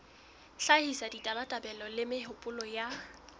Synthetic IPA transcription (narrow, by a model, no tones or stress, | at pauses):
ɬahisaditʼabatʼabɛlɔlɪmɪɦʊpʼʊlɔja